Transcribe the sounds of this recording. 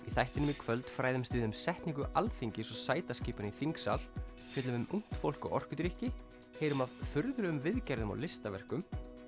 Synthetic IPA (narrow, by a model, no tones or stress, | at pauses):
iθajht̪ɪnʏmikʰvœlt̪fɾaːjðʏmst̪ɪðʏmsɛht̪niŋk̬ʏʔalθiɲcɪsɔsaːjt̪asciːpaniθiŋksa̰l | fɛt̪lʏmʏmuŋ̥t̪fowl̥kɔ̰ɔ̰r̥kʏt̪ɾihcɪ | heːjɾʏmavfʏɾðɾʏʏmvɪðcaɾðʏma̰wlɪst̪avɛr̥kʏm